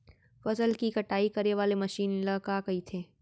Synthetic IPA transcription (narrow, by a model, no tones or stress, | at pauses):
fɐsəlkikɐʈaːikɐɾeʋaːlemɐʃiːnlɐkaːkɐit̪ʰeː